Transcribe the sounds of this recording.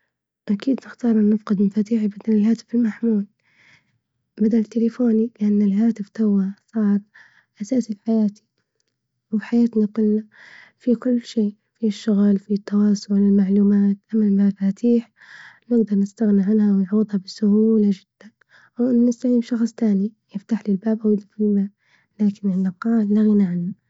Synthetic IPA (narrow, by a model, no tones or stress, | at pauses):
ʔakiːd̪nɪxt̪ɑːɾˤʔɪnːɪfqɪd̪mafaːt̪iːħibad̪alɪlɦaːt̪ɪ̥fɪlmaħmuːl | bad̪alt̪ːɪlɪfoːnilɪʔanːɪlɦaːt̪ɪft̪awːasˤɑːɾ | ʔasaːsilħajaːt̪i̥ | wħajaːt̪nakʊlːa | fikʊlːʃeː | fiʃːʊɣlfit̪ːɑwɑːsˤʊʕlɪlmaʕluːmaːt̪ʔamːalmafaːt̪ʰiːħ | nɪɡd̪ɑɾˤnɪst̪aɣniʕanhawnʕuːd̪ˤhabɪsʊhuːlad͡ʒɪd̪̥ːan | wʔɪnːnɪst̪aʕiːmʃɑxsˤt̪aːnijɪft̪aħlɪlbaːbʔawɪd̪ifilmaːb̚ | laːkɪnʔɪnːaqɑːllaɣɪnaʕanːa